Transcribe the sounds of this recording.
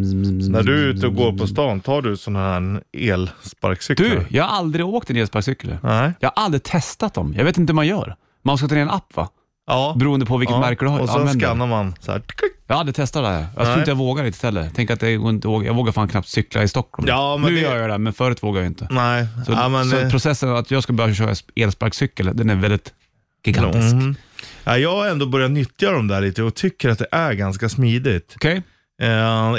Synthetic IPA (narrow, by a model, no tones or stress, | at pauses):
næɖɵʉ̟ːt̪əɔɡoːɾpʰɔst̪ɑːnt̪ʰɑːɖɵsɔnahhæeːlspa̰ɾksʏkd̪jɑːɡhaɾald̪ɾɪoːk̚t̪ɛneːlspaɾksʏkːələ̰nɛjɑhaɾʔald̪ɾɪt̪ʰɛst̪at̪̚d̪ɔmjɑɡveːt̪ɪnt̪əmanjœːɾ | manskat̪ʰɑːeɾɛnapːva̰ | bɛɾuːənd̪əpʰɔvɪkət̪mæɾkəɖɵhaɔɛmɛnskanːaɾmansæ̰̥jɑːad̪ːət̪ʰɛst̪ad̪ɛhæ̰ːɾjɑ̰t̪ʰɾɪəjɑvoːɡaɾɪt̪ɪ̥t̪hɛlːə̰ɾt̪ʰɛŋkːat̪̚d̪ɛɡ̰ːɪnt̪əvoːɡajɑ̰ɡvoːɡaɾfaːnkʰnap̚t̪sʏkːla̰ɪst̪ɔkːɔ̰lmːʉːjœːɾjad̪ɛmɛnfœːɾʉːt̪voːɡajajɪnt̪ʰənɛɪsɔmɛnɔpʰɾʊsɛsːənat̪jɑːɡskalbœvɕœːɾa̰seːlspaɾksʏkːəld̪ɛnæɾvɛld̪ɪt̪ | ɡ̥ɪɡa̰nt̪ɪsk | æjɑːɡɛnd̪oːbœɾjanʏt̪ːjad̪ɔmd̪æːɭiːt̪əɔt̪ʰʏkːəɾat̪̚d̪ɛʔæɾɡanskasmiːd̪ɪɡt̪kʰɛj